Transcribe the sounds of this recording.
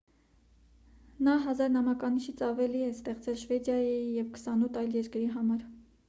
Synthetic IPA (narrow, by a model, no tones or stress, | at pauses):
nɑɦɑzɑɾnɑmɑkɑniʃit͡sʰɑvɛliɛst̪ɛχt͡sɛlʃvɛd̪jɑjijɛvkʰə̥sɑnut̪ʰɑjljɛɾkɾiɦɑmɑɾ